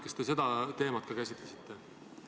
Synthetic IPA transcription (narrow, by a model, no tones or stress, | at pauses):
kest̪ese̞d̪̥ɑt̪e̞ːmɑt̪̚kɑkæsit̪lesit̪ːˑe̞